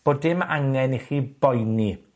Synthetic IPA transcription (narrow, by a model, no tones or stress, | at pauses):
b̥oːdɪmaŋɛniχiːb̥ɔjni